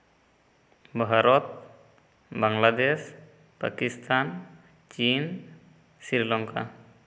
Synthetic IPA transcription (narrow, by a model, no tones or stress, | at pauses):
baɦaɾɔt̪̚ | baŋlad̪ɛs | pa̰kist̪ʰan | t͡ʃin | siɾilaŋka̰